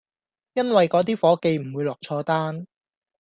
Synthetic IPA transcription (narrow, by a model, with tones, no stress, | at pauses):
jɐ˥nwɐ˨jkɔː˨˥t̪iː˥fɔː˨˥ke˨˧jm̩˨˩wuː˨˧jlɔː˨k̚t͡ʃʰɔː˧t̪aː˥n